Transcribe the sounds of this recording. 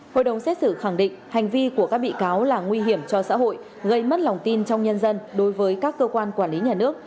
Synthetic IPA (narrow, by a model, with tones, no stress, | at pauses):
ho̰˧˨jɗə˨˩wŋ͡msɛ˦˥t̚sɨ˧˩xa˧˩ŋɗḭ˧˨ŋ̟ha˨˩jŋ̟vi˧ku˧˩əkaː˦˥k̚ɓḭ˧˨kaː˨˦wlaː˨˩ŋwi˧ɦi˧˩əmt͡ɕɔ˧sa̰ː˧˥ɦo̰˧˨j | ɣə˧jmə˦˥t̚la˨˩wŋ͡mt̪i˧nt͡ɕɔ˧wŋ͡mɲə˧nzə˧nɗo˨˦jvəː˨˦jkaː˦˥kːəː˧kwaː˧nkwaː˧˩nli˨˦ɲaː˨˩nɨ˦˥ək̚